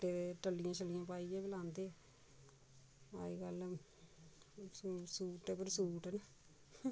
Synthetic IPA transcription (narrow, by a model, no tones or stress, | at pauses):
eːeʈəlijãːt͡ʃʰəlːijãːpaːiːẽːbɪlãːnd̪eː | a̰ːiɡəl | suːʈeːpəɾsuːʈɛn